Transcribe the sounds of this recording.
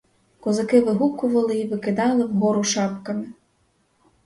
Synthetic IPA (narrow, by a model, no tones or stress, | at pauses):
kɔzɐkɪʋɪɦukʊʋɐlˠɪiʋɪkɪd̪ɑlˠɪwɦɔɾʊʃɑpkɐmɪ